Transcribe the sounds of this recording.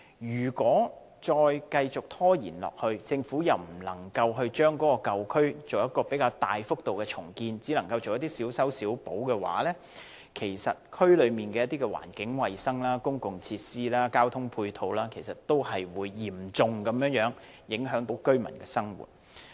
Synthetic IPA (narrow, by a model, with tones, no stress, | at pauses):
jyː˨˩kwɔː˨˥ | t͡ʃɔː˧jkɐ˧jt͡sʊ˨k̚t̪ʰɔː˥jiː˨˩nlɔ̰ː˨k̚hɵ˧ɥt͡sɪ˧ŋfuː˨˥jɐ˨wm̩˨˩lɐ˨˩ŋkɐ˧wɦɵ˧ɥt͡ʃœː˥ŋkɔː˨˥kɔː˧kɐ˨wkʰɵ˥ɥt͡so˨wjɐ˥t̚kɔː˧pe˨˥kaː˧wt̪aː˨jfʊ˥k̚t̪o˨wkɛ˧t͡sʰʊ˨˩ŋkiː˧nt͡siː˨˥lɐ˨˩ŋkɐ˧wtt͡so˨wjɐ˥t̪iː˥siː˨˥wsɐ˨˥wsiː˨˥wpo˨˥wkɛ˧wa̰ː˨˥lɛː˥ | kʰe˨˩jsɐ̰˨t̚kʰɵ˥ɥlɵ˨˧ɥmiː˨˩nkɛː˧jɐ˥t̪iː˥kɛ˧wa̰ː˨˩nkɪ˨˥ŋwɐ˨jsɐ˥ŋlaː˥kʊ˥ŋkʊ˨ŋt͡sʰiː˧t̚siː˥laː˥kaː˥wt̪ʰʊ˥ŋpʰuː˧jt̪ʰo˨˧wlaː˥kʰe˨˩jsɐ˨tt̪o˥whɐ˨jwuː˨˧jːiː˨˩mt͡sʊ˨˧ŋkɐ˨˧˥mjœː˨˥ŋjœː˨˥ŋ | jɪ˨˥ŋɦœː˨˥ŋt̪o˨˥wkɵ˥ɥmɐ˨˩nkɛː˧sɐ˥ŋwṵː˨˩t̚